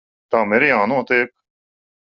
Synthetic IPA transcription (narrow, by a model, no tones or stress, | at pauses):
t̪ãːmeɾeːãːnõːt̪eːk̚